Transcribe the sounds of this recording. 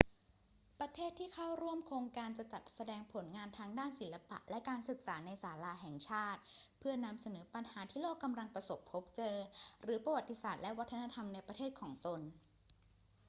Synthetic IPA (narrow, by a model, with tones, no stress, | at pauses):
pɾa˧t̪ʰeː˥˩t̪ʰːiː˥˩kʰa˥˩wɾu˥˩əmkʰoː˧ŋkaː˧nt͡ɕa˨˩t͡ɕa˨˩t̪̚sa˧dɛː˧ŋpʰo˨˩˦nŋaː˧nt̪ʰaː˧ŋdaː˥˩nsi˩˦lːa˧pa̰˨˩ʔlɛ˦˥ʔkaː˧nsɯ˨˩k̚saː˩˦na˧jsaː˩˦laː˧ɦɛ˨˩ŋt͡ɕʰaː˥˩t̪̚pʰɯ˥˩ɐna˧msa˧nɤː˩˦pa˧nhaː˩˦t̪ʰiː˥˩loː˥˩kːa˧mɾa˧ŋpɾa˧so˨˩pʰːo˦˥p̚t͡ɕɤː˧ɾɯː˩˦pɾa˧wa˨˩t̪ːi˦˥saː˨˩t̪̚lɛ˦˥ʔwa˦˥t̪ʰːa˧na˧t̪ʰa˧mna˧jpɾa˧t̪ʰeː˥˩t̪̚kʰɔː˩˦ŋt̪o˧n